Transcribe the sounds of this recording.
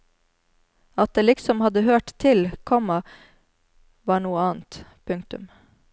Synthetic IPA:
ɑt̪̚d̪eːlɪksɔmhɑd̪əhøːʈt̪ʰɪlkʰɔmɑ | ʋɑːɳuːəɑːn̩t̪pʰʉŋkt̪ʉ̰m

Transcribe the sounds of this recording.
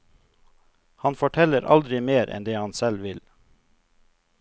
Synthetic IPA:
hɑnfɔʈʰɛləɾʔɑ̰ld̪ɾɪmeːɾʔɛ̰nd̪eːhɑnsɛlʋɪl

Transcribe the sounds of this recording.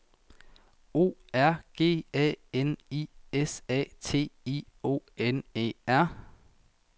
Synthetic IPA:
o̝̰ːæɐ̰ɡ̥e̝̰ːɛ̰ːeniːesɛ̰ːt͡sʰe̝̰ːio̝̰ːenḛæɐ̰

